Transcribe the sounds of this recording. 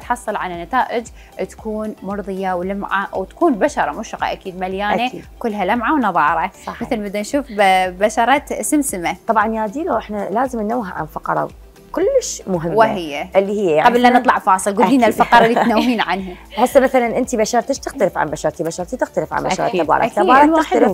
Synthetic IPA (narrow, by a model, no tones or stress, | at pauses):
t̪ħɑsˤːɨlʕalanːat̪aːʔɪd͡ʒ | t̪ḁkuːnmʊɾðˤɨjawlamʕawt̪ḁkuːnbaʃɑɾˤɑmʊʃqɑ̰ʔakiːd̪maljaːned̪kʊlːɦalamʕawnɑðˤɑːɾˤɑˤɑmɪθalbɪd̪ːanʃuːfbaʃɑɾˤɑt̪ʔɪsɪmsɪmat̪ˤɑbʕɑnjaːd̪iːloʔɪħnalaːzəmnnːawːɦaʕa̰nfɑqɑɾˤɑ̰ | kʊlːɪʃmʊɦɪmːwɦɪjːaʔlːihɪjːajaʕɡablːanɨt̪ˤlɑʕfɑːsˤɨlɡʊlliːnnalfɑqɑɾˤɑlːit̪nawhiːnʕanɦaħasːamaθalanʔɪnt̪ibaʃɑɾˤt̪aʃt̪ɪxt̪alɪfʕa̰nbaʃɑɾˤt̪ibaʃɑɾˤt̪it̪ɪxt̪alɪfʕa̰nbaʃɑɾˤiːbɑ̰ɾˤɑak̪aiːbɑːɾˤɑwaɪxal